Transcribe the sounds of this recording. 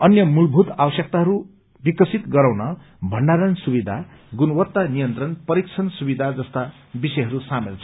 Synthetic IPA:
ʌnjʌmulbʱut̪abʌsjʌk̚t̪aɦʌɾu | bikʌsit̪ɡʌɾaw̃nʌ | bʱʌɳɖaɾʌnsubid̪ʱa | ɡunʌwʌt̪ːanijʌnt̪rʌnpʌɾik̚t͡sʰʌnsubid̪ʱad͡zʌst̪a | bisʌjɦʌɾusamelt͡sʰʌ

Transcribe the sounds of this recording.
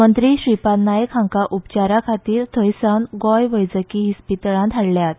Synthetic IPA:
mənt̪ɾiːɕɾipanajəkʰɦãŋkaʔupt͡ɕaɾakʰat̪iːɾt̪ʰəjsanɡɔjʋəjd͡zəkiɦispit̪əɭãd̪ʰʱaɽljat̪

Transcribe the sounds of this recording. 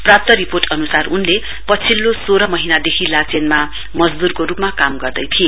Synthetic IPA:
prap̚t̪ʌɾiporʈʌnusarunle | pʌt͡sʰilːosoɾʌmʌɦinad̪ekʰilat͡senma | mʌd͡zd̪urkoɾupmakamɡʌrd̪ʌjt̪ʰie

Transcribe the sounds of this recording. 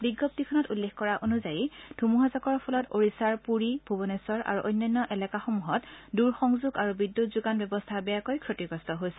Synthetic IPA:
biɡːɔp̚tikʰɔnɔtulːexkɔɹaʔonuzajid̥ʱumuɦazakɔɹpʰɔlɔtoɹisaɹpuɹib̥ʱubɔnesɔɹa̰ɹuʔojnːɔjnːɔʔɛlɛkaxomuɦɔtduɹxɔŋzuɡaɹubidːutzuɡanbɛbɔstʰabɛjakojkʰɹotiɡɹɔstʰɔɦojsɛ̥

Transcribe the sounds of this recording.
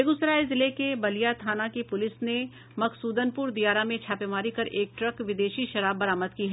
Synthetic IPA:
eːɡʊsɾaːezɪlekebɐlijat̪ʰaːnakipʊlɪsne | mɐksuːd̪ənpʊɾd̪ijaːɾamẽt͡ʃʰaːpemaːɾikɐɾʔeːk̚ʈɾɐkʋɪd̪eːʃiʃɐɾaːbːɐɾaːməd̪kiːɦɛː

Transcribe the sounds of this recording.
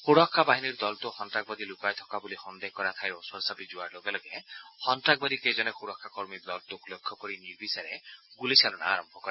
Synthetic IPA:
xuɾɔkʰːabaɦiniɾd̪ɔlt̪uhɔnʈɾaɡ̚bɔd̪ilukajt̪ʰɔ̥kabulixɔnd̪ekɔɾat̪ʰajɾoswɔɾsabid͡ʒuaɾloɡelɔɡehɔnʈɾaɡ̚bad̪iked͡ʒɔnexuɾɔkʰːakɔɾmiɾd̪ɔlt̪ukulekʰːɔkɔɾiniɾbisɔɾeɡulisalɔnaaɾɔmbʱɔkɔɾa

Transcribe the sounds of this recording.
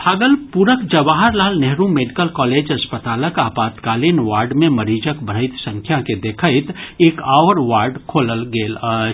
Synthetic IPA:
pʰaːɡəlpuɾəkd͡ʒəʋaːɦəɾlaːlnɛɦɾũmeːɖɪkəlkɔːleːd͡ʒɐspət̪aːləkaːpaːt̪kaːlinʋaːɾɖmẽməɾiːd͡ʒəkbəɾəɪt̪sə̃ŋkʰjaked̪eːkʰaɪt̪eːkaːʋəɾʋaːɾɖkʰoːləlɡeːl

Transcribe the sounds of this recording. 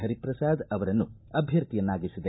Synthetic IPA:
ɦɐɾipɾɐsaːd̪ɐʋɐɾɐnːuɐbʱjɐɾt̪ijɐnːaːɡisid̪e

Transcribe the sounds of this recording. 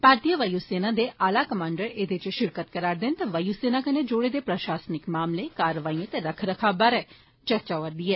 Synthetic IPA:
paːɾt̪ijəʋəjuːseːnãːd̪eːʔaːlaːkəmãːɳɖəɾeːd̪et͡ʃʃɪɾkət̪kəɾaːɾd̪ɪnt̪aʋəjuːseːnaːkəned͡ʒoːɽeːd̪eːpɾəʃaːsnɪkmaːmleːkaːɾəʋaːiãt̪eɾəkʰɾəkʰaːbaɾɛː | t͡ʃəɾt͡ʃaːʋəɾd̪iːɛː

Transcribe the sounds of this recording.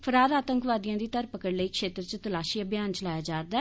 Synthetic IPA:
pʰəɾaːɾaːt̪əŋkʋaːd̪ijãːd̪iːt̪əɾpəkəɽləiːkʃeːt̪ɾət͡ʃət̪əlaːʃiːabjaːnt͡ʃəlaːjaːd͡ʒaːɾd̪aː

